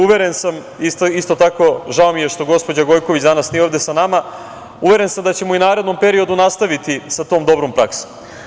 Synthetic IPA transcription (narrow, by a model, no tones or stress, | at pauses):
uʋe̞ɾensam | ist̪ist̪ot̪ako̞ʒao̞mije̞ʃt̪o̞ɡo̞spo̞d͡ʑaɡo̞jko̞ʋit͡ɕd̪anasnio̞ʋd̪e̞sanama | uʋe̞ɾe̞nsamd̪at͡ɕe̞moinaːɾe̞d̪no̞mpe̞ɾio̞d̪unast̪aʋit̪isat̪o̞ːmd̪o̞bɾo̞mpɾakso̥